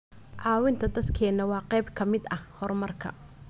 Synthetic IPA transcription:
ʕɑːwɪnt̪ʰɐd̪ɐd̪kʰɛːnɐwɑːqɛjbkʰɐmɪd̪ɐhhɔrmɐrkʰɐ̰

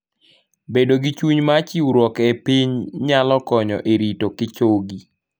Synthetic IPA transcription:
bedoɡit͡ʃuɲmat͡ʃiwɾwɔkepiɲɲalɔkɔɲɔ̰ʔeɾitokɪt͡ʃoɡi

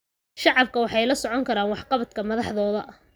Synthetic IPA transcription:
ʃɑʕɑb̚kʰɐwɑħɑjlɐsɔʕɔŋkʰɐɾaːnwɑħqɑβɐd̪kʰɐmɐðɑħðɔːðɐʔɐ

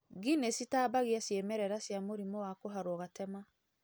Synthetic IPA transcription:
ɡinesitaːbaɣiasjemɛɾɛɾasjamoɾimɔwakoɦaɾwɔɣatɛma

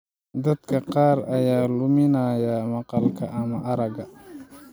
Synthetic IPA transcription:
d̪ɐd̪kʰɐqɑːɾɐjaːlʊmɪnaːjɐmɑqɑlkʰɐʔɐmɐʔɐɾɐɡɐ

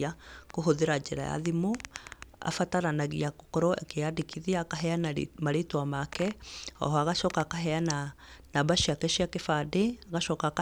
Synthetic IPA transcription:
akoɦoðeɾad͡ʒɛɾa̰ja̰ðimo | a̰fataɾanaɣiakokɔɾɔḛkeadikʰiðiaːkaɦɛanmaɾetwamakɛɔ̰ɦɔaɣaʃɔːkakaɦɛana | nabaʃiakɛʃiakefadeaɣaʃɔːkaka

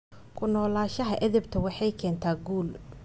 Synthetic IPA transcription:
kʰʊnɔːlaːʃɐɦɐʔɛðɪbt̪ʰɐwɑħɑjkʰɛːnt̪ʰaːɡuːl

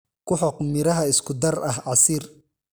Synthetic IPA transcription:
kʰʊħɔqmɪɾɐɦɐɪskʰʊd̪ɐrɐɦɑsiːr

